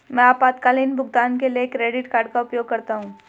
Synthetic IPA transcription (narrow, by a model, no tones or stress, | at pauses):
mɛ̃ːaːpaːd̪kaːliːnbʱʊɡ̚d̪aːnkeliekɾeːɖɪʈkaːɾɖ̚kaʊpjoːɡ̚kɐɾt̪aɦũː